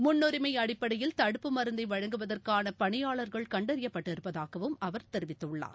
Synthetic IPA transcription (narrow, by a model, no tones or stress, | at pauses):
mʊnːʊɾɪmɐɪɐɽɪpːɐɽɐjɪlt̪ɐɽɯpːɯmɐɾɯnd̪ɐɪʋɐɻɐŋɡɯʋɐðɐrkaːnɐpɐɳɪjaːɭɐɾɣɐɭkɐɳɖɐɾɪjɐpːɐʈːɪɾɯpːɐðaːɣɐʋɯmɐʋɐɾt̪ɛɾɪʋɪt̪ːɯɭːa̰ːɾ